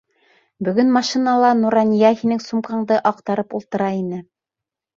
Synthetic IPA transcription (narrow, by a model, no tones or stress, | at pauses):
bɵ̆ɡɵnmɑʃinɑlˠɑnuɾɑnʲijɑhinɘŋsumqɑɴd̪ɤʔɑq̚t̪ɑɾɤpulˠt̪ɤ̆ɾɑinɘ